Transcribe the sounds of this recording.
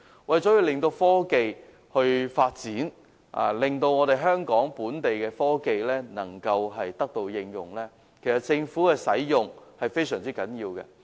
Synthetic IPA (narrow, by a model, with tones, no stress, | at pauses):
wɐ˨jt͡sɔ˨˥jiː˨˧wlɪ˨˩ŋt̪o˧wfɔː˥ke˨j | hɵ˧ɥfaː˧t̚t͡siː˨˥n | ʔa̰ː˨lɪ˨ŋt̪o˧wŋɔː˨˧ɾe˨jɦœː˥ŋkɔː˨˥ŋpuː˨˥nt̪e˨jkɛː˧fɔː˥ke˨jlɛː˥nɐ̰˨˩ŋkɐ˧wɦɐ˨jt̪ɐ˥k̚t̪o˧wjɪ˧ŋjʊ˨ŋlɛː˥ | kʰe˨˩jsɐ˨˩t̚t͡sɪ˧ŋfuː˨˥kɛː˧sɐ˨˥jjʊ˨˩ŋhɐ˨jfe˥jsœː˨˩ŋt͡siː˥kɐ˨˥njiː˧wkɛ̰˧